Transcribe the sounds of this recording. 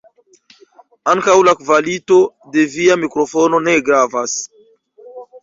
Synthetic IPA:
aŋkawlakvalito̞ | de̞viamikɾo̞fo̞no̞ne̞ɡɾavas

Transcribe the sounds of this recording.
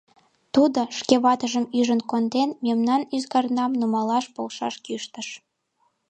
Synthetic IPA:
t̪ud̪oʃkeβɑt̪əʒəmyʒənkond̪enmemnɑnyzɣɑrnɑmnumɑlɑʃpolʃɑ̰ʃkyʃt̪əʃ

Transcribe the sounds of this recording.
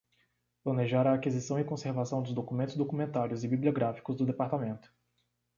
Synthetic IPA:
plɐ̃neʒaɾɐːkizisɐ̃w̃ɪkõseɾvasɐ̃w̃d̪ʊzd̪okumẽnt̪ʊzd̪okumẽnt̪aɾjʊzɪbiblioɡɾafi̥kʊzd̪ʊd̪epaɾt̪amẽnt̪ʊ̥

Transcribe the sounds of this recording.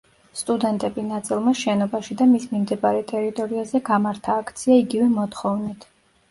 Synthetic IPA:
st̪ʼud̪ɛnt̪ʼɛbinat̪sʼilˠmaʃɛnɔbaʃid̪amismimd̪ɛbaɾɛt̪ʼɛɾit̪ʼɔɾiazɛɡamaɾt̪ʰaːkʰt̪sʰiaiɡivɛmɔt̪χɔvnit̪ʰ

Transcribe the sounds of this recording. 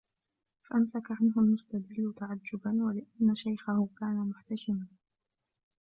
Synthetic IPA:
faʔamsakaʕanɦʊlmʊst̪ad̪ɪlːʊt̪aʕad͡ʒːʊbanwalɪʔanːaʃajxahʊkaːnamʊħt̪aʃɪman

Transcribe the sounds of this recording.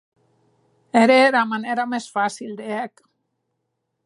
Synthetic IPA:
eɾeɾamaneɾamesfasild̪eɛk

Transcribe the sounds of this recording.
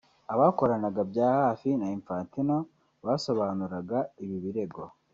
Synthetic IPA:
aβaːko̞ɾanaɡabɟaːhaːfinaiɱfaːntino̞ | βaːso̞βaːnuɾaɡaiβiβiɾe̞ɡo̞

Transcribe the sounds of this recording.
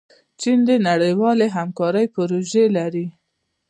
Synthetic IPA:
t͡ʃind̪enaɽəjwɑleɦamkɑɾəjpʊɾoʒelaɾi

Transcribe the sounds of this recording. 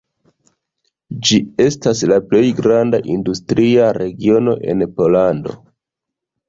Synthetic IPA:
d͡ʒie̞staslaple̞jɡɾandaʔindustɾiaɾe̞ɡio̞no̞̰ʔe̞̰npo̞lando̞̰

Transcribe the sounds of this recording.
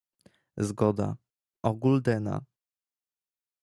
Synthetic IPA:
zɡɔd̪a̰ | ɔɡuld̪ɛna̰

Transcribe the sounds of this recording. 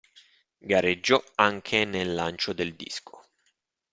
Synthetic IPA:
ɡaɾed͡ʒːɔaŋkʰenelːant͡ʃod̪eld̪ḭskʰo̥

